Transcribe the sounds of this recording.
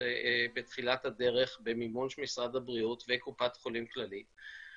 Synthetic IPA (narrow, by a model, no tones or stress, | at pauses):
bet̪χilathade̞ʁe̞χbemimonʃmisʁadabʁiutvekupatχo̞limklalit